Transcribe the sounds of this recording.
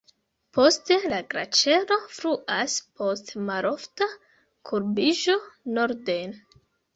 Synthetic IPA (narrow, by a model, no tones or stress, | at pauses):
pʰo̞ste̞laɡɾa̰t͡ʃe̞ɾo̞fɾuʔaspʰo̞stmaɾʔo̞fta | kʰuɾbiʒo̞no̞ɾde̞jn